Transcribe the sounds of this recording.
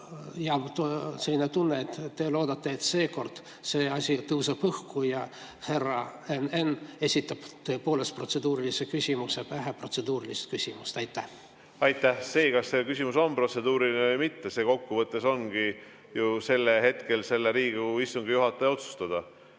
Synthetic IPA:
jɑt̪selːinet̪unːet̪ːt̪e̞lo̞ːd̪ɑt̪ːe̞et̪se̞ːko̞rd̪̥ | se̞ːɑsʲit̪ɤwsepɤhkujɑ | he̞rɑenene̞sʲit̪ːˑɑb̥t̪ɤ̞ːpo̞ːle̞st̪pro̞t̪se̞d̪uːɾilise̞kysʲimuse̞pæɦepro̞t̪se̞d̪uːɾilist̪̚kysʲimust̪ɑjt̪ːˑæh | ɑjt̪ːˑæhse̞ːkɑsːe̞kysʲimuso̞npro̞t̪se̞d̪uːɾilnevɤjmit̪ːese̞ːko̞kːuvɤt̪ːˑeso̞nɡ̥i | juse̞lːeɦe̞t̪ke̞lse̞lːeɾiːɡuist̪uŋɡijuɦɑt̪ːˑejo̞t̪su̥st̪ɑd̪̥ɑ

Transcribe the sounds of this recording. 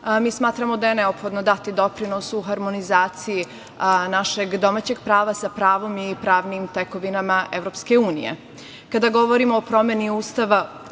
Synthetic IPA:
miːsmaːt̪ɾamo̞d̪aje̞ne̞opxo̞d̪no̞d̪at̪id̪o̞pɾino̞suɦaɾmo̞nizaːt̪siji | naʃe̞ɡd̪o̞maːt͡ɕe̞ɡpɾaːʋasapɾaːʋo̞mipɾaːʋnimt̪ekoʋinamaʔe̞ʋɾo̞ːpske̞uːnḭjḛ | kad̪aɡo̞ʋo̞ɾimoopɾo̞mjeniuːst̪aʋa

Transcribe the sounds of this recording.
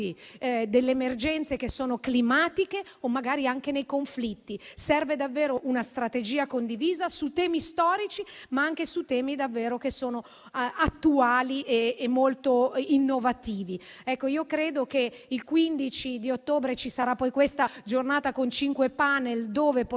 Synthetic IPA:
id̪elːeːmerd͡ʒɛnt̪sekesːoːnoklimaːt̪ike | omːaɡaːɾiaŋkenejkoɱflit̪ːisɛrved̪avːeːɾoʔunast̪ɾat̪ed͡ʒiːakond̪iviːzasut̪ɛːmist̪ɔːɾit͡ʃimaaŋkesut̪ɛːmid̪avːeːɾokesːoːno | at̪ːuaːliʔeemːolt̪oinːovat̪iːviɛkːoiːokɾeːd̪okeilkwind̪it͡ʃid̪iot̪ːoːbɾet͡ʃisaɾapːɔjkwest̪ad͡ʒornaːt̪akont͡ʃiŋkwepanːeld̪oːvep

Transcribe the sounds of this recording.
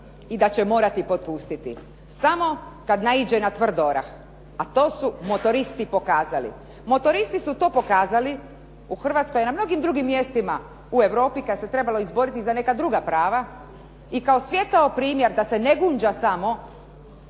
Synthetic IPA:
id̪at͡ɕemo̞ːɾat̪ipo̞t̪̚pust̪it̪ḭ | samo̞kad̪naid͡ʑenat̪ʋr̩d̪oɾa̰x | at̪o̞ːsumo̞t̪o̞ɾist̪ipo̞kaːzalḭ | mo̞t̪o̞ɾist̪isut̪o̞ːpo̞kaːzali | uxr̩ʋat̪skojenamno̞ɡimd̪ɾuɡimːje̞st̪ima | ue̞ʋɾo̞ːpikad̪aset̪ɾe̞balo̞izbo̞ɾit̪izane̞kad̪ɾuɡapɾaːʋa | ikaosʋje̞t̪aopɾiːmjeɾd̪ase̞neɡuːɲd͡ʒasamo̞

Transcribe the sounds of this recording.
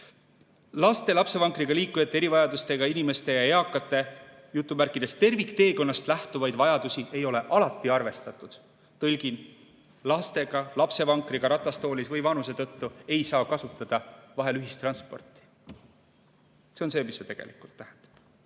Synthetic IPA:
lɑst̪e̞lɑpse̞vɑŋkriɡ̥ɑliːkːˑujɑt̪ːˑeeɾivɑjɑd̪ust̪e̞ɡ̥ɑinime̞st̪e̞jɑeɑkːˑɑt̪ːˑe̞ | jut̪ˑːumærkˑːid̪̥e̞st̪e̞rvikt̪e̞ːko̞nːɑst̪læht̪uvɑjd̪vɑjɑd̪̥usiʔe̞jo̞le̞ʔɑlɑt̪ˑːiɑrve̞st̪ɑt̪ːˑud̪̥ | t̪ɤlʲɡ̥in | lɑst̪e̞ɡ̥ɑlɑpse̞vɑŋkriɡ̥ɑɾɑt̪ːˑɑst̪oːlisvɯjvɑnus̬e̞t̪ɤt̪ːue̞jsɑːkɑsut̪ːˑɑd̪̥ɑvɑɦe̞lyɦist̪ːrɑnspo̞̰rt̪ˑi̥ | se̞o̞nse̞ːmisːet̪e̞ɡ̥e̞̰likˑult̪ːæhɛnd̪̥ɑ̥b̥

